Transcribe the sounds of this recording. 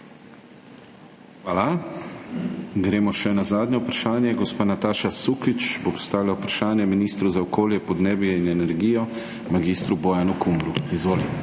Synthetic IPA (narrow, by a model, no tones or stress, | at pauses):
ʋaːla | ɡɾeːmɔʃɛnazaːd̪nɛupɾaʃaːnjɛɡospaːnat̪aːʃasukit͡ʃbopɔ̥st̪aːʋilaupɾaʃaːnjɛminist̪ɾuzaɔkoːljɛpɔd̪neːbjɛinɛnɛɾɡiːjɔ | maɡist̪ɾubɔjanukumbɾuizʋoːli